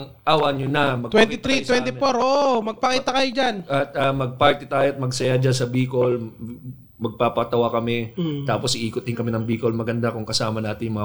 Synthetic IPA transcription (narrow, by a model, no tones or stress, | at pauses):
ŋ | ʔaːwɐɲonɐmɐɡ̪t̪wɛnɪt̪ɾit̪wɛnt̪ɪfoɾʔoːʔmɐɡ̚pɐkiːt̪ɐkɐjod͡ʒanɐt̪̚amɐɡ̚paɹt̪ɪt̪aːjoɐt̪̚mɐɡsɐjad͡ʒansɐbiːkol | mɐɡ̚papɐt̪ɐwakɐmɛt̪aːposʔɪʔiːkʊt̪̚ɪnkɐmɛnɐŋbiːkolmɐɡɐnd̪akʊŋkɐsaːmɐnaːt̪ɪnjʊmɐŋ